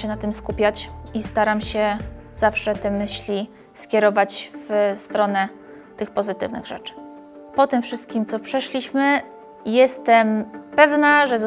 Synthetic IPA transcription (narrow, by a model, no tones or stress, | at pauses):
ɛnat̪ɘmskupʲjat͡ɕist̪aɾamɕɛzafʂɛt̪ɛmɘɕlʲi | skʲjɛɾɔvat͡ɕvst̪ɾɔnɛ | t̪ɘxpɔzɘt̪ɘ̰vnɘ̰ɣʐɛ̰t͡ʂɘ̥ | pɔt̪ɘmfʂɘst̪̚kʲimt̪sɔpʂɛʂlʲiɕmɘ | jɛst̪ɛmpɛvnaʐɛz